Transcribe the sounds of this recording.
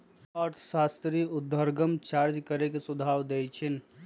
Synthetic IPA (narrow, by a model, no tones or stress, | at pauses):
ɔɾt̪ʰsast̪ɾiud̪ʱːəɾɡəmt͡ʃaɾd͡ʒkəɾekesud̪ʱawd̪ejt͡ʃʰin